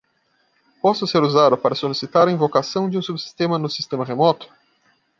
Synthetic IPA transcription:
pɔsʊseɾuzad̪ʊpaɾɐsolisit̪aɾɐĩvokasɐ̃w̃d͡ʒɪũsubɪsi̥st̪ẽmɐnʊsist̪ẽmɐʁemɔt̪ʊ̥

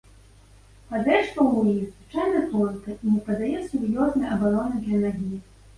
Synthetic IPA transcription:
pad̪ɾɛʂt̪ɐwujiɣzvɨt͡ʂajnɐkɔnt̪ɐʔinʲɛpɐd̪ajɛsuɾjɔznɐjʔɐbaɾɔnɨd̪lʲɐnaɣʲi

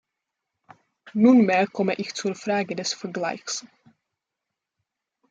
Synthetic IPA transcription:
nunmeːɐkʰɔməʔɪçt͡suɐfɾaːɡədɛsfɛɐɡla̰ɪçs

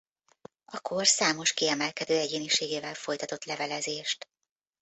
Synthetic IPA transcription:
ɒkorsaːmo̞ʃkiɛmɛlkɛd̪øːɛɟeːniʃeːɡeːvɛlfo̞jt̪ɒt̪o̞t̪lɛvɛlɛzeːʃt̪

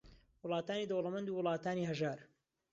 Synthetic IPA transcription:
wʊlˠɑːt̪aːniːd̪owlɐmɐnd̪uːwʊlˠɑːt̪aːniːɦɐʒaːɾ

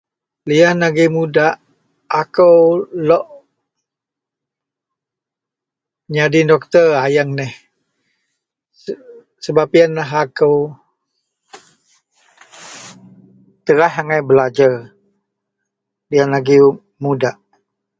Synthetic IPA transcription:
liahnaɡimudaʔ | akəwlɔʔ | ɲadindɔk̚t̪ərajaŋnɛh | səbapianlaɦakəw | t̪əɾahaŋajbəlad͡ʒar | lianaɡi | mudaʔ

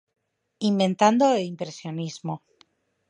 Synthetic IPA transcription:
imbẽ̞nt̪and̪oelimpɾe̞sjo̞nizmo

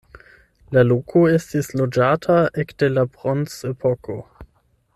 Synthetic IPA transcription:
lalokʰoestislod͡ʒatʰaʔekd̥elapʁonsepʰokʰo

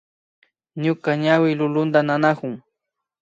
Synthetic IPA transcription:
ɲʊkaɲawɪlʊlʊnd̪ananakʊŋ

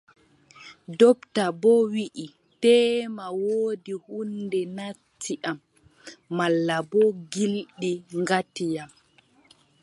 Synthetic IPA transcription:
dɔptabɔwiʔi | tɛːmawoːdihundɛnatʰːiʔamː | alːabɔɡilɗiŋɡatijam

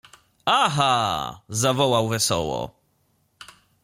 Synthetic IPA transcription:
aɦazavɔwawvɛsɔ̰wɔ̰

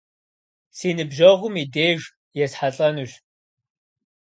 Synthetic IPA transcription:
siːnɨbʒɐʁʷʊmiːdeːʒ | jɛsħaɬʼɐnuɕ

